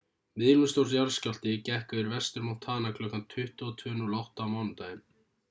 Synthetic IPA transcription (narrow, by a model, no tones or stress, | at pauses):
mɪðɾmʏst̪owɾ̥sjaɾscal̥t̪ɪcɛhkʏɪɾvɛst̪ɛɾmɔn̥t̪ʰaːnakʰlœːkant̪ʰʏht̪ɔt̪ʰœːnʏlawht̪aːmaːwnʏmt̪aːjɪn